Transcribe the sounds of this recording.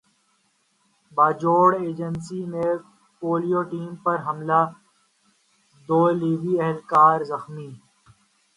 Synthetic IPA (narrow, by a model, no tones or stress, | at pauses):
baːd͡ʒoːɽeːd͡ʒənsimẽ | poːlijoːʈiːmpɐɾɦɐmlaː | d̪oːliːʋiɛɦlkaːɾzɐxmiː